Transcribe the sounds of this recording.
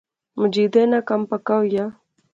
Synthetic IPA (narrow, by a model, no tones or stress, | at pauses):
mʊd͡ʒiːd̪eːnãːkəmpəkaːɦʊjaː